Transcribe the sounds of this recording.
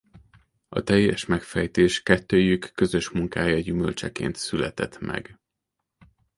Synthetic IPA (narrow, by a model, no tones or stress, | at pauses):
ɒ̰t̪ɛjːɛʃmɛkfɛjt̪eːʃkɛt̪ːøːjykːø̞zø̞ʃmuŋkaːjɒɟymø̞̰lt͡ʃɛkḛːnt̪sylɛt̪ɛt̪mɛ̰ɡ